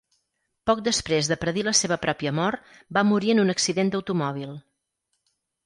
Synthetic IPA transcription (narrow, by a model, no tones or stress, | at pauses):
pɔk̚d̪əspɾezðəpɾəðiləseβəpɾɔpiəmɔrt̪ | bamuɾiənunəksiðend̪əwt̪umɔβilˠ